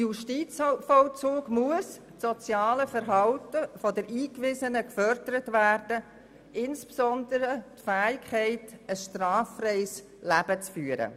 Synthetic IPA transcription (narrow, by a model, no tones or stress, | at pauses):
juʃtiːt͡sfɔlt͡suːɡmuəs | tsɔt͡sjɑːləfəɾɦɑltəfɔdəɾʔiːkʋɪzənəkfœrd̥əɾətvæːrd̥ə | ɪnspsɔnd̪əɾətfæːɪkʰhɛɪtəsʃtrɑːfrɛɪs | læb̥ət͡sfyːəɾə̰